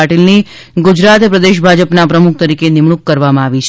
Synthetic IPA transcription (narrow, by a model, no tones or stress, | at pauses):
aʈilni | ɡud͡ʒɾat̪pɾəd̪eʃ̬bʱad͡ʒəpnapɾəmuk̚ʰt̪əɾikenɪmɳ̃ukːəɾʋamãaʋit͡ʃʰ